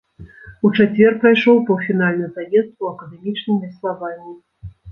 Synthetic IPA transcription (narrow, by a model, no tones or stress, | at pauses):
ut͡ʂat͡sʲvʲɛrpɾajʂɔwpɐfʲinalʲnɨjzajɛst̪̚kuɐkɐd̪ɛmʲit͡ʂnɨmvʲɐst̪savanʲːi